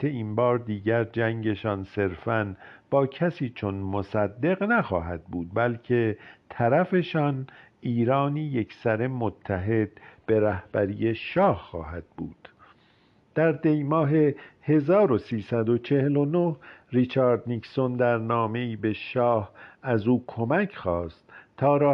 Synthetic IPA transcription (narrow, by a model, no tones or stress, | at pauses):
einbɒːɾd̪iːɟæɾd͡ʒæŋɟe̞ʃɒːnse̞ɾfænb̥ɒːcʰæsiːt͡ʃʰo̞nmosæd̪ːe̞ɣnæxɒːɦæd̪̥̚buːd̪̚bælcʰe̞t̪ʰæɾæfe̞ʃɒn | iːɾɒːniːjekʰsæɾe̞mot̪ʰːæɦe̞d̪̥̚b̥e̞ɾæhb̥æɾiːje̞ʃɒːhːɒːɦæd̪̥̚bṵːd̪̥ | d̪̥æɾd̪ejmɒːɦe̞he̞zɒːɾo̞siːsæd̪o̞t͡ʃʰe̞helo̞nohrit͡ʃʰɑːɾd̪nikso̞nd̪æɾnɒːme̞iːbeʃɒːhæzuːkʰo̞mæcʰχɒːst̪t̪ʰːɒːɾɒː